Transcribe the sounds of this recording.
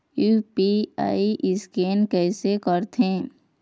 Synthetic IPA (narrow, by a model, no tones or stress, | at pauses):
jupia̰ːiʔɪskeːnkɛːsekəɾt̪ẽː